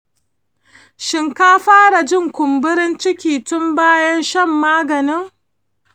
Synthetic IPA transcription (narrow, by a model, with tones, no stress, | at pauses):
ʃɪ˨ŋkaː˦ɸaː˦ɽa˨d͡ʒɪ˦˨ŋkʷʊ˨mbʊ˦ɾɪ˦nt͡ʃɪ˦kʲiː˨tʊ˦mbaː˦jɐ˦nʃɐ˦˨mːaː˦ɡɐ˨nɪ˦ŋ